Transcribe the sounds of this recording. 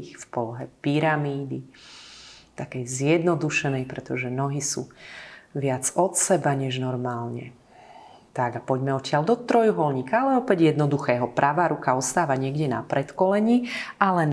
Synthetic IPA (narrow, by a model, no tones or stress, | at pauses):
xfpɔlɔɦɛpiɾamiːd̪i | t̪akɛjzjɛd̪nɔd̪uʃɛnɛjpɾɛt̪ɔʒɛnɔɦisu | ʋɪad͡zɔt̪sɛbaɲɛʒnɔɾmaːlɲɛ̰ | t̪aɡapɔɟmɛɔcɪald̪ɔt̪ɾɔjuɦɔlɲiːkaalɛɔpɛɟjɛd̪nɔd̪uxɛːɦɔpɾʔaʋaːɾukaɔst̪aːʋaɲɪɛɡɟɛna̰pɾɛt̪kɔlɛɲialɛ